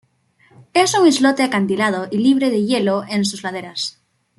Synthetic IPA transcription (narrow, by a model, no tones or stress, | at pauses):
esuŋizlot̪eakant̪ilað̞oʔiliβ̞ɾeð̞eʝeloensuzlað̞eɾas